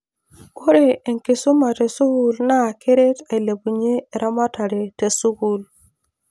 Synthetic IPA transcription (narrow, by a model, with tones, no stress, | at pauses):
o˦ɾe˨e˨ŋkɪ˨so˦ma˨te˨su˦ɡu˨lna˦˨kʰe˦ɾe˦ta˨i˨le˨bu˨ɲeː˦˨ɾa˦ma˦ta˨ɾe˨te˨su˦ɡu˦l